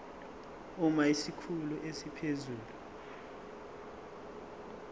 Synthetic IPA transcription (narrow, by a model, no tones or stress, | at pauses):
umaisikʰuluʔesipʰezuːlu